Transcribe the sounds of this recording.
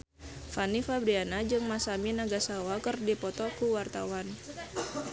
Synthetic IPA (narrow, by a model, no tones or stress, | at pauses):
fanifabɾianad͡ʒɨŋmasaminaɡasawakərdipɔt̪ɔkuwart̪a̰wan